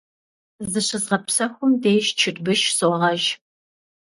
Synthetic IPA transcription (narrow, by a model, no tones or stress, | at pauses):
zzɨɕɨzʁɐpsɐxʷʊmdeːʃt͡ʃʰɪrbɨʃsoːʁɐʒ